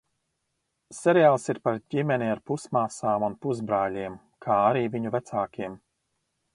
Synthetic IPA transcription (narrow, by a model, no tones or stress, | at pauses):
sɛɾiaːlˠsiɾpaɾɟimɛniaɾpusmaːsaːmunpuzbɾaːlʲiɛm | kʰaːaɾiːviɲuvæt̪saːkʲiɛm